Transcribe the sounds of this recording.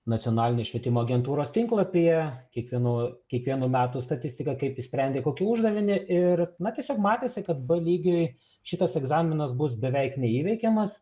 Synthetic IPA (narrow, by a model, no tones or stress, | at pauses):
nɐt̪ʲjonɑːlʲɪnʲoːʃʲʋʲiɛt̪ʲɪmoːɐɡʲɛnt̪uːɾoːst̪ʲɪŋklˠɐpʲɪjɛkʲiɛkʋʲiɛnuːkʲiɛkʋʲiɛnuːmʲæːt̪uːst̪ɐt̪ʲɪsʲt̪ʲɪkɐkɐɪpɪsʲpʲɾʲɛnd̪ʲeːkoːkʲɪʊʒd̪ɐʋʲɪnʲɪʔɪrnɐt̪ʲiɛsʲoːkmɑːt̪ʲeːsʲɪkɐt̪bɐlʲiːɡʲoj | ʃʲɪt̪ɐsɛɡzɑːmʲɪnɐsbʊsbʲɛʋʲɛɪknʲɛiːʋʲɛɪkʲɛmɐs